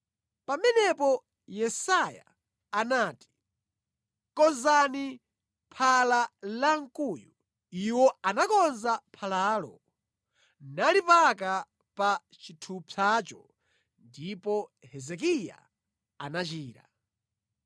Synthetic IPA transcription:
pamɛnɛpɔ | jɛsaja̰ː | naːti̥ | kɔnzani | pʰalalaŋ̩kuːju | iwɔanakɔnzapʰalaːlɔ | nalipaka | pa | t͡ʃitʰupʰat͡ʃɔ | ndipɔhɛzɛk̬ija̰ | anat͡ʃiːɾa

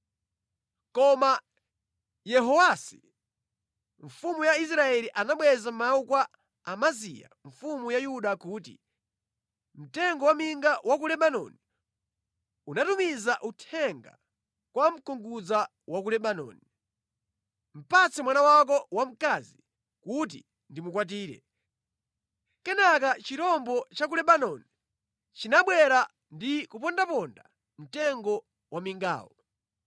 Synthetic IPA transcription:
kɔma | jɛɦɔwasi | ɱ̩fumujais̬ɾaɛliʔanaɓwɛzamaukwa | amazḭja̰ɱfumujajuɗakuːt̬ḭ | m̩tɛŋɡɔwamiŋɡawak̬ulɛɓanɔ̰ni | unatumizaʔutʰɛŋɡa̰ | kwam̩kɔŋɡud͡za | wak̬ulɛɓanɔ̰ːni | m̩pat͡sɛmwanawak̬ɔwam̩kaːzi | kut̬ḭ | ndimuk̬wat̬iːɾɛ̰ | kɛnakat͡ʃitɔmbɔt͡ʃak̬ulɛɓanɔni | t͡ʃinaɓwɛɾa | ndikupɔndapɔnda̰ | m̩tɛŋɡɔ | wamiŋɡa̰ːwɔ

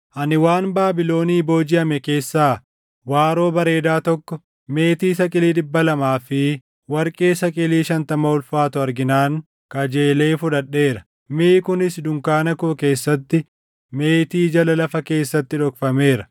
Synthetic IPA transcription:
ʔɐnɪwaːnbaːbɪlo̞ːniːbo̞ːd͡ʒɪɐmɛke̞ːsːaː | waːɾo̞ːbɐɾe̞ːd̪aːt̪ɔkːɔ | me̞ːt̪iːsɐkʼɪliːᶑ̪ɪbːɐlɐmaːfɪ | wɐɾkʼe̞ːsɐkʼɪliːʃɐnt̪ɐmɐʊlfaːt̪ʊɐɾɡɪnaːŋ | kɐd͡ʒe̞ːle̞ːfʊᶑɐᶑːe̞ːɾɐ | miːkʊnɪsd̪ʊŋkaːnɐkʊke̞ːsːɐt̪ːɪ | me̞ːt̪iːd͡ʒɐlɐlɐfɐke̞ːsːɐt̪ːɪᶑɔkfɐme̞ːɾɐ̥

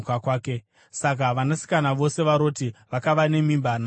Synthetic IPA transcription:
kakwaːke̞ | sak̬aʋanasi̥kanaʋo̞se̞ʋaɾo̞ːtiʋakaʋane̞mimbana

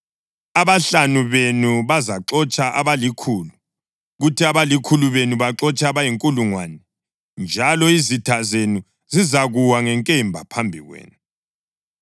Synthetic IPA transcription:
aβaɬanuβenuβazaǁɔt͡ʃʼaʔa̰βalikʰuːlu | ɣutʰiaβalikʰuluβenuβaǁɔt͡ʃʼaβajiŋkʼuluŋwa̰nɛ | nd͡ʒʱalɔizitʰazenu | zizaɣuwaŋɛŋkʼɛmbʱa̰pʰambʱḭɣwḛːnu

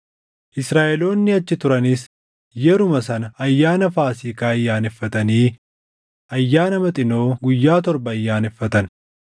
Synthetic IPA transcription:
ʔɪsɾaːʔɛlo̞ːnːɪɐt͡ʃːɪt̪ʊɾɐnɪs | jɛɾʊmɐsɐnɐɐjːaːnɐfaːsiːkaːɐjːaːnɛfːɐt̪ɐniː | ʔɐjːaːnɐmɐt̪ʼɪno̞ːɡʊjːaːt̪̬ɔɾbɐɐjːaːnɛfːɐt̪ɐn

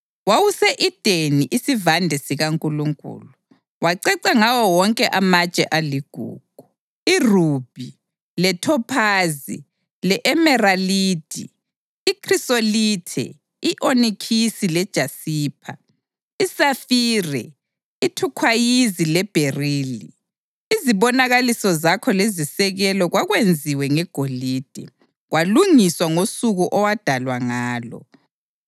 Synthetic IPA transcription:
wawusɛʔid̥ʱeniʔisivandʱɛsiɣaŋkʼuluŋkʼṵːlu | waǀɛǀaŋawɔwɔŋkʼɛʔamat͡ʃʼɛʔaliɡ̥ʱṵːɡ̥ʱu | iruːb̥ʱi | lɛtʰɔpʰaːzi | lɛʔɛmɛraliːd̥ʱḭː | kʰrisolitʰɛ̰ | iʔonikʰisilɛd̥ʒ̥ʱasiːpʰa̰ | isafiːrɛ̰ | itʰukʰwajizilɛb̥ʱeriːli | iziβɔnaɣalisɔzakʰɔlezisɛɣɛlɔɣwaɣwend͡zʱiwɛŋɛɡ̥ʱoliːd̥ʱɛ̰ | ɣwʔaluŋiswaŋosuɣuʔɔwad̥ʱalwaŋaːlɔ̰

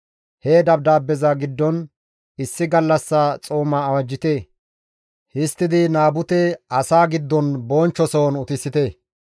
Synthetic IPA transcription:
heːd̪ɐb̚d̪aːbːɛzɐɡɪd̪ːɔn | ɪsːɪɡɐlːɐsːat͡sʼoːmɐːwɐd͡ʒːɪt̪e | hɪst̪ːɪd̪ɪnaːbʊt̪ɛɐsaːɡɪd̪ːɔnboːnt͡ʃːɔsoːnʊt̪ɪsːɪt̪e

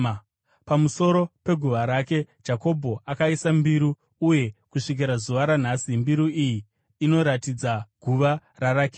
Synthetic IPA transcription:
pamuso̞ɾo̞pe̞ɡʱuʋaɾake̞d͡ʒako̞bʱo̞ʔakaisambiɾu | uje̞kuʂik̬iɾazuʋaɾan̤aːsimbiɾuijiː | no̞ɾatid͡zaɡ̥ʱuʋararake

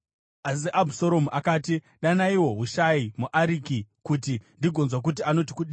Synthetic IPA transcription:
as̬iʔabʱusoɾo̞muʔakaːti | ɗanaiwo̞ɦuʃaimuʔaɾikikutindiɡʱo̞nzwak̬ut̬iano̞ti̥kuɗi

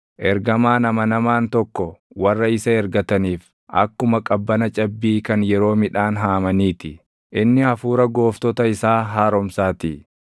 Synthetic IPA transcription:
ʔɛɾɡɐmaːnɐmɐnɐmaːnt̪ɔkːɔ | wɐrːɐɪsɐɛɾɡɐt̪ɐniːf | ʔɐ̰kːʊmɐkʼɐbːɐnɐt͡ʃʼɐbːiːkɐnjɛɾo̞ːmɪᶑaːnɦaːmɐniːt̪ɪ | ʔɪnːɪɐfuːɾɐɡo̞ːft̪ɔt̪ɐɪsaːɦaːɾɔmsaːt̪i

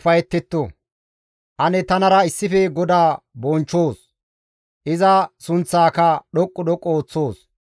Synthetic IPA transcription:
fɐjɛt̪ːɛt̪ːo | ʔɐnɛt̪ɐnɐɾɐɪsːɪfɛɡɔd̪aː | bɔnt͡ʃːoːs | ʔɪzɐsʊnt͡sːaːkɐɗɔkʼːɔɗɔkʼːoːt͡sːo̞ːs

